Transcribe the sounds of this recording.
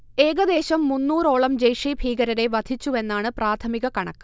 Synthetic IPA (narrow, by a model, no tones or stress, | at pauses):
e̞ːɣɐd̪e̞ːɕɐmːunːuːro̞ːɭɐmd͡ʑɐjʂibʱiːɡɐɾɐɾe̞ʋɐd̪ʱit͡ɕːue̞nːaːɳɨpraːt̪ʰɐmiɣɐkɐɳɐ̰kːɨ̥